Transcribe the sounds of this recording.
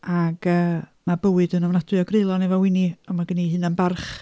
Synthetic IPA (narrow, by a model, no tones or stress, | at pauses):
aɡəːmabəwɨdənɔvnadwɨɔɡrelˠɔnɛvɔwɪniɔmaɡəniɦɨːnanbarχ